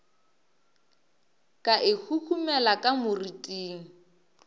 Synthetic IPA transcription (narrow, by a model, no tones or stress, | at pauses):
kʼaʔɪhʰukʰumɛlakʼamʊritʼiːŋ̩